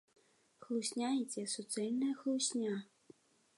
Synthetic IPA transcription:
xlˠusʲnʲajit͡sʲɛsɔt̪sɛlʲnɐjɐxlˠusʲnʲa

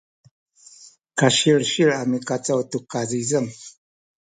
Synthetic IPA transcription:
kaʃiɽʃiɾamikat͡sawtukazizəm

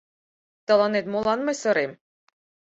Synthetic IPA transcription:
t̪ɑlˠɑnet̪molˠɑnmɤ̆jsɤ̆ɾem

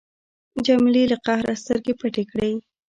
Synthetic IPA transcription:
d͡ʒamliləqahɾa̰st̪əɾkepaʈekɽej

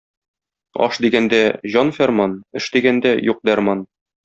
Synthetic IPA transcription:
ɒ̰ʃd̪iɡænd̪æʑɒnfʲæɾmɑnɘ̆ʃd̪iɡænd̪æjuq̚d̪æɾmɑn

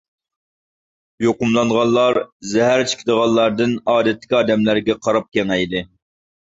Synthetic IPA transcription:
joqʊmlˠɑnʁɑnlˠlˠɑɾzɛɦæɾt͡ʃʰi̥kʲʰɪd̪əʁɑlˠlːˠɑɾd̪ɨnɑːd̪ɛt̪ʰːɪ̥kʲɑːd̪ɛmlæɾɡʲɛqʰɑɾɑp̚kʲʰɛŋɛjd̪ɨ

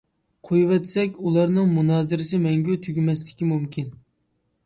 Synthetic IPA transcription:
qʰojwɛt̪sɛkʲulˠɑɾnɨŋmunɑːzɨɾɪsɪmɛŋɡʲɛt̪ʰyɡʲmɛslɪ̥kʲimumkʲʰin

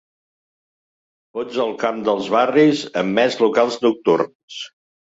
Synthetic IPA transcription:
t̪od͡zəlˠkamd̪əlˠzβarizəmːɛzlukalˠznuk̚t̪ṵrn | s

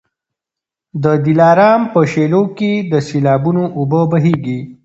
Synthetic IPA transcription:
d̪əd̪ilɑːɾɑːmpəʃeloked̪əselɑːbunoʔubəbɐɦeɡi

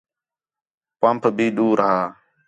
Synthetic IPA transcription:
pãːmpʰbiːɗuːɾəɦaː

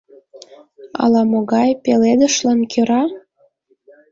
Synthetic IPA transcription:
ɑ̰lɑmoɣɑjpeled̪ə̆ʃlɑnkʰøɾɑ

